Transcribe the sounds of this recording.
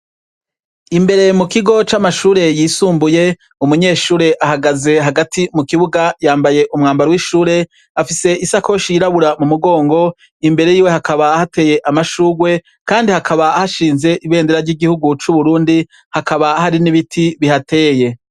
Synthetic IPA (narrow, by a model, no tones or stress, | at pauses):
imbe̞ɾe̞mukiɡo̞t͡ʃamaʃuːɾe̞jiːsuːmbuje̞ | umuɲe̞ːʃuːɾe̞ʔaɦaɡaze̞ɦaɡatʰimukiβuɡajaːmbaje̞ʔumŋaːmbaɾowiʃuːɾe̞ | afise̞ʔisakoʃiɾaβuɾamumuɡo̞ːŋɡo̞ | imbe̞ɾe̞jiːwe̞hakʰaβahate̞ːje̞ʔamaʃuːɡwe̞ | kaːndihakʰaβahaʃiːnze̞ʔiβe̞ːndeɾaɾɟiɡihuɡut͡ʃuβuɾuːndi | hakaβahaɾiniβitʰiβihate̞ːje̞